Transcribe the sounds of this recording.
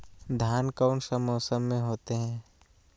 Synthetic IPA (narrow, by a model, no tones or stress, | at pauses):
d̪ʱjaːnkaʊnsəmːoːsəmːẽɦoːt̪eɦɛ̃ː